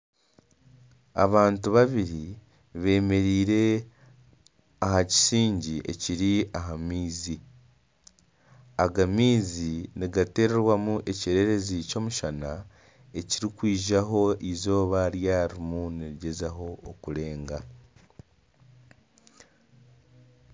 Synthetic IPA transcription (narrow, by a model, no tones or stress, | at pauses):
a̰βaːntuβaβiɾi | βe̞ːme̞ɾiːɾe̞ | aɦaci̥siːɲɟiʔe̞̰ciɾiaɦamiːzi | aɡamiːziniɡate̞ːɾeɾwamuʔe̞ceɾe̞ɾe̞zico̞ːmuʃana | e̞ciɾikwiːʒaɦo̞izo̞ːβaɾjaɾimuneɾiɟe̞zaɦo̞ːkuɾe̞ːŋɡa